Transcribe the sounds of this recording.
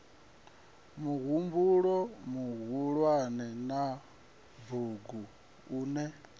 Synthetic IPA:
muɣumbuɺɔmuɣuɺwanɛna | vuɡu | uːnɛ

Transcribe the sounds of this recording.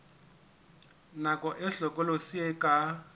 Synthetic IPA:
nakʼɔʔɪɬɔkʼɔlosiɛkʼa

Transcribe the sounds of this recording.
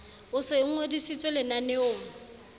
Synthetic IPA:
ʊsɪŋ̩odisit͡sʼwelɪnanɪʊː

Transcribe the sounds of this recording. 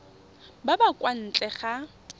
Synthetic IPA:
babakʼwan̩t͡ɬʼɛχa

